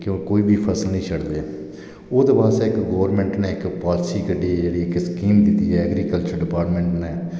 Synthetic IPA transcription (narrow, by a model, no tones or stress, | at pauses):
kjõːkoːiːbiːpʰəsəlnəĩːt͡ʃʰəɽd̪eː | oːd̪eːbaːseːɪkɡoːəɾmẽːɳʈneːɪkpaːlsiːkəɖiːɛd͡ʒeːɽiːɪkskiːmd̪ɪt̪ːiːɛːəɡɾiːkəlt͡ʃəɾɖɪpaːɾʈmẽːɳʈneː